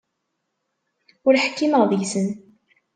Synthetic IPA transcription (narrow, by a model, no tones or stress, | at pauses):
ʊɾħkːiməʁðjsən